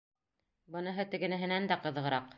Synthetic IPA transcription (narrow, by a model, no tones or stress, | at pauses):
bɤ̆nɤ̆ɦɤt̪ɘ̆ɡɘ̆nɘ̆ɦɘ̆nænd̪æqɤ̆ðɤʁɤ̆ɾɑq